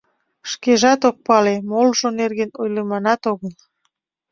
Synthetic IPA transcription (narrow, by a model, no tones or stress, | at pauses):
ʃkeʒɑt̪ok̚pɑlemolʒonerɣenojlemɑnɑt̪oɣəl